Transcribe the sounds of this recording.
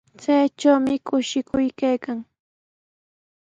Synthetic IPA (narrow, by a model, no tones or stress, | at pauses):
t͡sajʈ͡ʂawmɪkʊʃɪkʊjkajkaŋ